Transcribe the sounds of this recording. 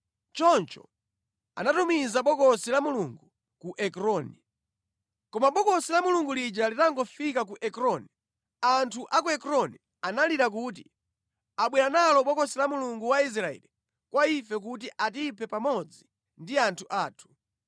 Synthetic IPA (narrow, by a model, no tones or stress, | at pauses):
t͡ʃɔnt͡ʃɔ̰ | a̰natumizaɓɔkɔsilamuluŋɡu | kuʔɛkɾɔni | kɔmaɓɔkɔsilamuluŋɡulid͡ʒalitaŋɡɔfikak̬uʔɛkɾɔni | antʰuʔakuɛkɾɔni | analiɾak̬uːt̬ḭ | aɓwɛɾanalɔɓɔkɔsilamuluŋɡuwais̬ɾaɛ̰li | kwaifɛk̬ut̬iʔatipʰɛpamɔd͡zi | ndiantʰuʔaːtʰu̥